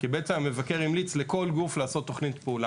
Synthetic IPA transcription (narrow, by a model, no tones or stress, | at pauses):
kibet͡seamevakeʁimlit͡sle̞ko̞lɡuflaːso̞tːo̞χnitpeula